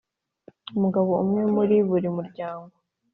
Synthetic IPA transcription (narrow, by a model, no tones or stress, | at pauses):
umuɡaβo̞umŋe̞muɾiβuɾimuɾɟaːŋɡo